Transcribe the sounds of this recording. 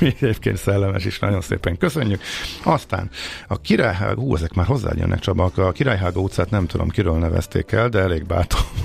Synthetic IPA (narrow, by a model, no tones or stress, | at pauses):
iɛɟeːp̚keːnt̪sɛlːɛmɛʃiʃnɒɟo̞nsḛːpɛŋkøsø̞ɲːykɒst̪a̰ːnɒkiɾaːjɦa̰ːhuːɛzɛkmaːrɦo̞zːa̰ːjø̰nʔɛ̰kt͡ʃɒbɒkɒkiɾaːjɦaːɡɒut̪saːt̪nɛmt̪ud̪o̞̰mkiɾøːlnɛvɛ̰st̪ḛːkɛld̪ɛɛleːɡ̚ba̰ːt̪om